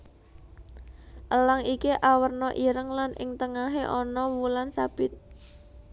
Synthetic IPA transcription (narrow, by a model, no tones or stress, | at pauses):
ʔəlaŋikiʔawərnɔʔiɾəŋlanʔɪ̰ŋt̪əŋaɦeʔɔnɔwulansab̥ɪt̪̚